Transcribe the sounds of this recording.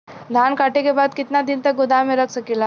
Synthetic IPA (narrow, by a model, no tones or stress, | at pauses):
d̪ʱaːnkaʈekebaːd̪kɪt̪nad̪ɪnt̪ək̚ɡʊd̪amẽɾəksəkila